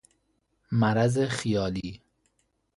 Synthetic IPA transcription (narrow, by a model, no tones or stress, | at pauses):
mæɾæzexijɒːliː